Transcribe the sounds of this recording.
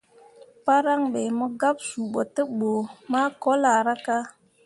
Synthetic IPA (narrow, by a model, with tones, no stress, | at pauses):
pa˦ɾa˦ŋɓe˨mɔ˦ɡa˦p̚su˨ɓo˨tə˦ɓo˨ma˦ko˦la˨ɾa˦ka˦